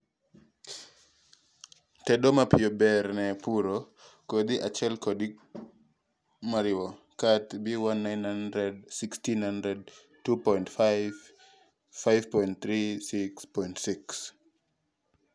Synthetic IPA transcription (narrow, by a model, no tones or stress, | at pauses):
tɛdomapɪjobɛɾnɛpuɾo | kod̪iʔat͡ʃɛlkodi | maɾɪwɔ | katbiwanːajnhandɾɛdsikstinhandɾɛd̚ | tupɔjntfa | fajvpɔint̚θɾisikspɔjntsiks